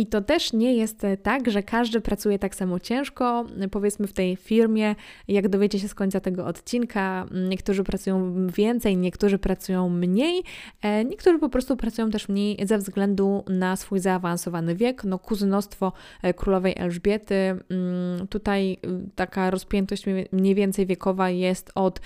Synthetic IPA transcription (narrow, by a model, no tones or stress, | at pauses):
it̪ɔt̪ɛʂɲɛjɛst̪tːaɡʐɛkaʐd̪ɘpɾat̪sujɛt̪aksamɔt͡ɕɛ̃w̃ʂkɔpɔvjɛt̪smɘft̪ɛjfʲiɾmʲjɛ | jaɡd̪ɔvʲet͡ɕɛɕɛskɔɲt̪sat̪ɛɡɔʔɔt̪t͡ɕinkʰaɲɛkt̪uʐɘpɾat̪sujɔ̃w̃vʲjɛnt̪sɛjɲɛkt̪uʐɘpɾat̪sujɔ̃w̃mɲejɲɛkt̪uʐɘpɔpɾɔst̪upɾat̪sujɔ̃w̃t̪̬ɛʂmɲejzɛvzɡlɛnd̪unasfujzaːvansɔvanɘvʲjɛknɔkuznɔst̪fɔkɾulɔvɛjʔɛ̰lʐbʲjɛt̪ɘ | t̪ut̪ajt̪akaɾɔspʲjɛnt̪ɔɕt͡ɕmɲejvʲjɛnt̪sɛjvʲjɛkɔvajɛst̪ɔt̪